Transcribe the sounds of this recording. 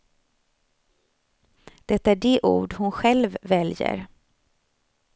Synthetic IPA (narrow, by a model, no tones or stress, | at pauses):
d̪̥ɛt̪ːaæɖeʔṵːɖhʊnɧɛlvːɛljə̰ɾ